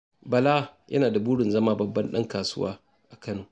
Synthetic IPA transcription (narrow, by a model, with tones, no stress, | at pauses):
bɐ˨la˦jʔɐ̰˦naː˨da˨buː˦ɽɪ˨nzɐ˦maː˦bɐ˨bːɐ˦nɗɐ˦ŋkaː˨sʊ̰˦wa̰ː˦ | ʔa˨kɐ˦nuː˨